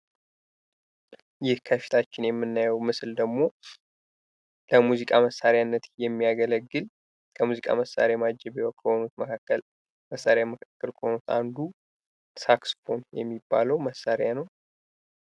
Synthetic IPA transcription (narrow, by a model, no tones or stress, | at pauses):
jɪhkʰəfi̥t̪ʰat͡ʃːɪnjɛmːɨnːajɛwmɨsɨld̪əɡmo̞ | ləmuzikʼaməsːaɾjanːət̪jɛmːijaɡələɡːɨl | kʰəmuzikʼa̰məsːa̰ɾamad͡ʒːɛbewɔkʼːəho̞nut̪məkʰakːəl | məsːaɾejaməkʰakːɨlkʰəonut̪ʰa̰nd̪u | saksfonjɛmːibːa̰ləwməsːaɾjanəw